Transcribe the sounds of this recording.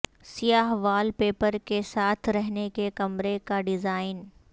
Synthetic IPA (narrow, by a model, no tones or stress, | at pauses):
sijaːɦʋaːlpeːpəɾkesaːt̪ʰɾɛɦnekekɐmɾekaɖɪzaːɪn